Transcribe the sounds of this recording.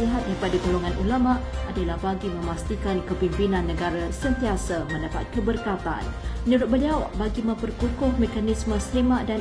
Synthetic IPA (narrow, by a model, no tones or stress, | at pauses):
iɦat̪̚daɾipadaɡoloŋanʔṵlamaʔʔadalahbaɡimə̃mast̪ikankəpimpinãnːəɡaɾasənt̪iasamə̃ndapa̰t̪̚kəbərkat̪a̰nmənuɾʊt̪̚bəliawbaɡimə̃mpərkukʊhmekanismə̃səlimaʔdan